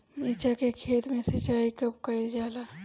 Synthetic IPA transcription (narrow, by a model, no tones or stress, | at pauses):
miːt͡ʃakekʰeːt̪mẽsət͡ʃaːikɐbkəed͡ʒaːla